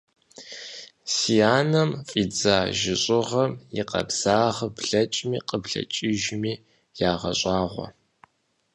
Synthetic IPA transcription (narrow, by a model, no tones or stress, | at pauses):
sijaːnɐmfʼiːd͡zaːʒɪɕʼɪʁɐmjɪqɐ̰bz̥aːʁbɮɐt͡ʃʼmiːqəbɮɐ̰t͡ʃʼiʒmiː | jaːʁɐ̰ɕʼaːʁʷɔ̰